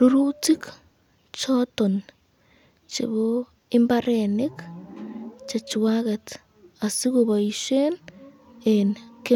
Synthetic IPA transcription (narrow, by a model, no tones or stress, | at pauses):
ɾuɾut͡sikḁ | t͡ʃoton | t͡ʃḛβo | embarenek | t͡ʃat͡ʃiwaɣat | asiɣuβaiʃen | enke